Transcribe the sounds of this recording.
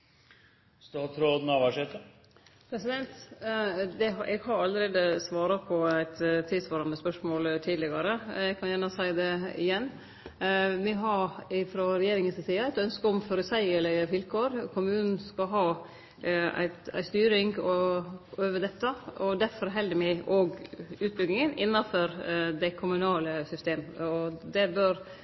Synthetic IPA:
sd̪hɑt̪ʰɾoːd̪n̩ɑʋæʂɛt̪ə | pʰɾɛsɪd̪ɛnt̪ | d̪ɛɦʔɛɡhɑɾɑlːəɾeːd̪əsʋɑːɾɑpʰɔæɪt̪t̪ʰːiːsʋɑːɾɑmɛspœʂmoːlt̪ʰiːd̪lɪɡɑɾəɛɡkʰɑnjæːɳəsæɪd̪ɛɪ̰jɛnː | ʋɪɦɑɾɪfɾɔɾɛjeːɾɪŋənssiːɑæɪt̪œnskəɔmfɔɾʉsæɪɛlɛfɪlkʰoːɾkʰʊmʉːnn̩skɑɦɑː | æ̰ɪt̪æ̰ɪst̪yːɾɪŋɡɔøːʋəd̪ɛt̪ːəɔd̪æfɔɾɦɛld̪əmɪɪʔoːɡʉːt̪̚bʏɡ̪ɪŋənɪnːɑfɔɾd̪ɛkʰʊmʉnɑːləsʏst̪eːmɔd̪ɛbœɾ

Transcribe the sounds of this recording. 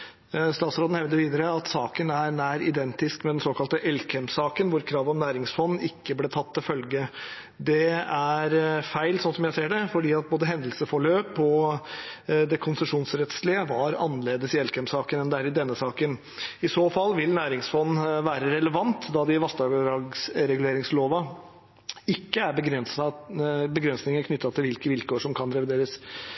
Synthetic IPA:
st̪ɑːt̪sɾoːd̪n̩hɛʋd̪əɾʋiːd̪əɾəɑt̪sɑːkənæɾɳæːɾɪ̰d̪ɛnt̪ɪskmɛd̪ɛnsoːkɑlt̪əʔɛlkʰɛmsɑːkənʋʊɾkʰɾɑːʋɔmnæːɾɪŋsfɔnːɪkːəbleːt̪ʰɑt̪ːɪlfœlɡə | d̪ɛæɾfæɪlsɔnsɔmjæɪseːɖɛfɔɖiːɑt̪̚boːd̪əɦɛnd̪lsəfɔɭøːpɔ | d̪ɛkʰʊnsəʂuːnsɾɛt̪slɪəʋɑɾɑ̰nːəleːd̪əsɪɛlkʰɛmsɑːkənɛnd̪ɛæːɾɪd̪ɛnːəsɑːkən | ɪsoːfɑlːʋɪlnæːɾɪŋsfɔnːʋæːɾəɾɛləʋɑnt̪d̪ɑd̪ɪʋɑsd̪ɑɡɑɡsɾɛɡʉleːɾɪŋsloːʋɑ | ɪkːəæɾbəɡɾɛns | bəɡɾɛnsnɪŋəkʰnʏt̪ːɑt̪ʰɪlʋɪlkəʋɪlkoːʂɔmkʰɑnɾɛʋɪd̪eːɾəs

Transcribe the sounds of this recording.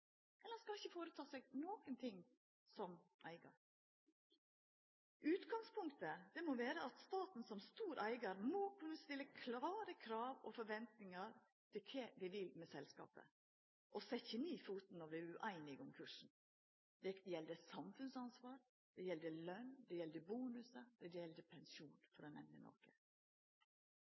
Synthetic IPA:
ʔɛlːəskɑlɪçːəfoːɾət̪ʰɑːsɛɡnoːkənt̪ʰɪŋ | sɔmʔæɪɡɑ̰ɾ | ʔʉːt̪ɡɑŋspʰʊŋkt̪əd̪̥ɛmɔʋeːɾəʔɑt̪st̪ɑːt̪n̩sɔmst̪uːɾʔæɪɡəɾmɔkʰʉnːəst̪ɪlːəkʰlɑːɾəkʰɾɑːʋɔfɔɾʋɛnt̪nɪŋəɾ | t̪ʰɪlkʰeːd̪ɪʋɪlmɛsɛlskɑ̰ːpə̰ | ʔɔsɛçɪniːfuːt̪n̩ɑʋd̪ɪʉʔæɪnɪɡʊmkʰʉʂn̩ | d̪ɛjɛld̪əsɑmfʉnsɑnsʋɑːɾ | d̪̥ɛjɛld̪əlœnd̪ɛjɛld̪əbuːnʉsəd̪̥ɛd̪ɛjɛld̪əpʰɛnsuːnfɔɾɛnɛ̰nd̪ənɔ̰ɾkə̰

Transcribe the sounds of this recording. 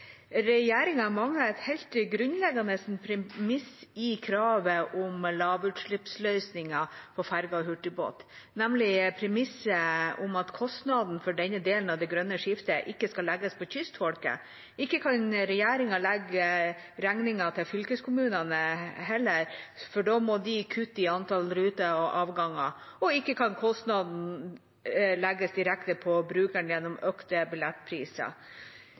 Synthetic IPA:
ɾɛjeːɾɪŋɑmɑŋːəɛt̪hɛɪlt̪ɡɾʉnlɛɡɑnəsnpʰɾɛmɪsɪkʰɾɑːʋəʔʊmlɑːʋʉt̪ʂɭɪpslœʏsnɪŋɑfɔfæɾɡɑɔhʉʈːɪbo̰ːt̪ | næmlɪpʰɾɛmɪsːəʊmɑt̪kʰɔst̪nɑd̪n̩fɔɖɛnːəd̪eːlənɑʋd̪ɛɡɾœnːəʂɪft̪əʔɪkːəskɑlɛɡəspʰɔçʏst̪fɔlkə̰ | ɪkːəkʰɑnɾɛjæːɾɪŋɑlɛɡəɾæŋnɪŋɑt̪ʰɪlfʏlkəskʰʊmʉːnɑnəɦɛlːəɾfɔɖoːmɔd̪ɪkʰʉt̪ːɪɑnt̪ʰɑlɾʉːt̪əɔʔɑːʋɡɑŋɑɔɪkːəkʰɑnkʰɔst̪nɑd̪n̩ | lɛɡːəsd̪ɪɾɛkt̪əpʰɔbɾʉːkæɳjɛnːɔmœkt̪əbɪlɛt̪ːpʰɾiːsə̰

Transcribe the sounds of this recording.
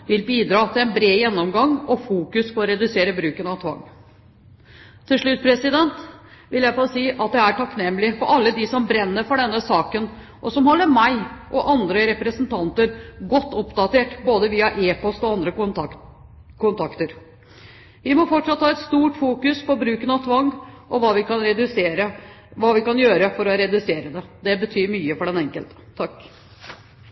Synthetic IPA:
ʋɪlbiːd̪ɾɑːt̪ʰɪlɛnbɾeːjɛnːɔmɡɑŋːɔfuːkʉspʰɔːɾɛd̪ʉseːɾəbɾʉːkənɑʋt̪ʰʋɑ̰ŋː | t̪ʰːɪlʂɭʉt̪ːpʰɾɛsɪd̪ɛnt̪ʋɪljæɪfɔsiːʔɑt̪̚d̪ɛæʈʰɑknɛmːlɪfɔɾʔɑlːəd̪ɪsɔmbɾɛnːəɾfɔɖɛnːəsɑːkən | ʔɔsɔmhɔlːəɾmæɪʔɔʔɑnd̪ɾəɾɛpɾəsnt̪ʰɑnt̪əɾɡɔt̪ːʊpd̪ɑt̪eːʈboːd̪əʋiːɑʔeːpɔst̪ɔɑnd̪ɾə | kʰʊnt̪ʰɑkt̪əɾ | ʋɪmɔfɔʈʂɑt̪ːhɑːɛt̪st̪uːʈfuːkʉspɔbɾʉːkənɑʋt̪ʰʋɑŋɡʔɔʋɑːʋɪkɑnɾɛd̪ʉseːɾə | ʋɑːʋɪkɑnjøːɾəfɔɾɔɾɛd̪ʉseːɾəd̪ɛd̪ɛbət̪ʰyːɾmyːəfɔɖɛnɛŋkəlt̪ə̥t̪ʰɑkː

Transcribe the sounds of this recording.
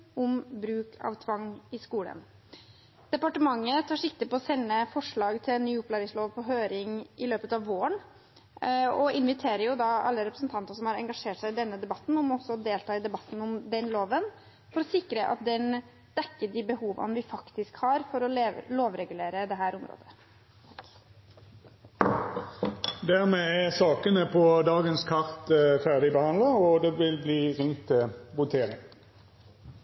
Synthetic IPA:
ʊmbɾʉːkʰɑ̰ʋt̪ʰʋɑŋːɪskuːlə̰n | d̪̥ɛpɑʈəmɑŋːət̪ʰɑːʂɪkt̪ɪpɔɔsɛnːəfɔʂɭɑːɡt̪ʰɪlɛnːyːʊpːlɑɾɪsloːʋpʰɔɦøːɾɪŋɪløːpət̪ɑʋːoːəɳ | ɔɪnʋɪt̪ʰeːɾəɾjʊd̪ɑɑ̰lːəɾɛpɾəsnt̪ʰɑnt̪əsɔmhɑɾɛŋɡɑʂeːʈsæɪɪd̪ɛnːəd̪ɛbɑt̪ːn̩ɔmɔsːɔd̪eːlt̪ʰɑːɪd̪ɛbɑt̪ːn̩ɔmd̪ɛnloːʋən | fɔɾɔsɪkɾəʔɑ̰t̪̚d̪ɛn | d̪̥ɛkːəɖɪbəhuːʋɑ̰nʋɪfɑkt̪ɪskhɑːɾfɔɾɔleloːʋɾɛɡʉleːɾəd̪ɛɦæːɾʊmɾo̰ːd̪ə | d̪æʁmeːɛʁsɑːkənəpʰɔd̪ɑːɡənskʰɑʁt̪fæʁd̪ɪbəhɑnd̪ləɔd̪ɛʋɪlbliːʁɪŋt̪ʰːɪlʋʊt̪ʰeːʁɪŋ

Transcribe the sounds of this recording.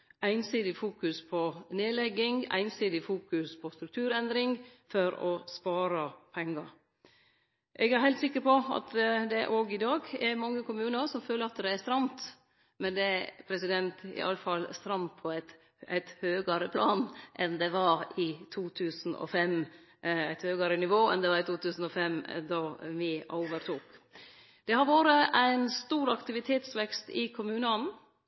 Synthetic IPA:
ʔæɪnsiːd̪ɪfuːkʉspʰɔneːlɛɡːɪŋæ̰ɪnsiːd̪ɪfuːkʉspʰɔst̪ɾʉk̚t̪ʰʉːɾɛnd̪ɾɪŋfɔɾɔspɑːɾɑpʰɛŋːɑɾ | ʔɛɡæɾhæɪt̪sɪkːəɾpɔɑ̰t̪d̪ɛʔoːɡɪd̪ɑːɡæɾmɑŋːəkʊmʉːnəɾsɔmføːləɾɑt̪d̪ɛæst̪ɾɑmt̪ | mɛnd̪ɛæpʰɾɛsɪd̪ɛnt̪ɪ̰ʔɑ̰ləfɑlst̪ɾɑmt̪pʰɔæɪt̪ | æ̰ɪt̪høːɡəɾəpʰlɑːnʔɛnd̪ɛʋɑɾɪt̪ʰuːt̪ʰʉːsn̩ɔ̰fɛm | æɪt̪høːɡəɾənɪʋoːɛ̰nd̪ɛʋɑɾɪt̪ʰuːt̪ʰʉːsn̩ɔfɛmd̪ɑːʋɪʔɔ̰ʊʋəɾt̪ʰuːk | d̪̥ɛhɑɾʋoːɾəʔæɪnst̪uːɾɑkt̪ɪʋɪt̪ʰeːt̪sʋɛkst̪ɪkʰʊmʉːnən

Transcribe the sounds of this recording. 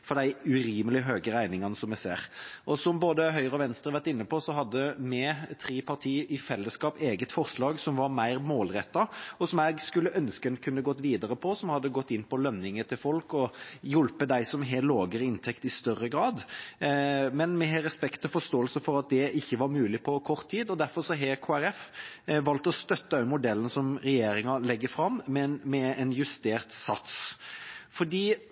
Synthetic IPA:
fɔɾd̪æɪʉɾiːməlɪɦøːɡəɾæɪnɪŋɑnəsɔmɛsḛːɾʔɔsɔmboːd̪əɦœʏʁəɔʋɛnst̪əʁəʋæʁʈ̪ɪnːəpʰɔsɔɦɑd̪ːəmɛt̪ʰɾiːpʰɑʁt̪ʰiːɪfɛlːəskɑːpeːɡət̪fɔɾʂlɑːɡsɔmʋɑɾmæɪɾmoːlɾɛt̪ːɑɔsɔmɛɡskʉlːəʔœnskənkʰʉnːəɡɔt̪ːʋiːd̪ɑɾəpʰɔsɔmhɑd̪ːəɡɔt̪ːɪnːpʰɔlœnːɪŋət̪ʰɪlfɔlkɔjʊlpəd̪æɪsɔmɦeloːɡəɾəɪnt̪ʰɛkt̪ɪst̪œɾːəɡɾɑːd̪ | mɛnmɛɦɛɾɛspɛkt̪ʰːɔfɔst̪oːəlsəfɔɾɑt̪̚d̪ɛʔɪçːəʋɑɾmʉːlɪpʰɔkʰɔɾt̪ʰːiːd̪ɔd̪æɾfɔɾsɔɦeːkʰoːæɾɛfʋɑlt̪ɔst̪œt̪ːəɑʉmʊd̪ɛlːənsɔmɾɛjeːɾɪŋɑlɛɡːəfɾɑmːmɛnmɛɛnjʉst̪eːʁt̪sɑt̪s | fɔɖiː

